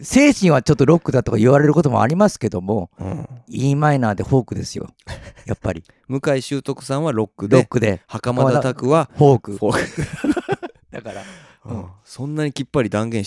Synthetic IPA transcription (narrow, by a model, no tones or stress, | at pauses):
se̞ːɕĩɰ̃βat͡ɕo̞t̪ːoɾo̞kːɯ̟d̪at̪o̞kaiβaɾe̞ɾɯ̟ko̞t̪o̞mo̞̰a̰ɾʲimasɨ̥ke̞d̪o̞mõ̞̰ | iːmainaːd̪e̞ho̞ːkɯ̟d̪e̞sɨjo̞̰ | japːaɾʲi | mɯ̟kaiɕɨːt̪o̞kɯ̟̥sãɰ̃βaɾo̞kːɯɾo̞kːɯ̟d̪e̞hakamaat̪akɯ̟βahoːkɯ̟ok | d̪̥akaɾã | sõ̞nːaɲ̟ikʲipːaɾʲid̪ãŋɡẽ̞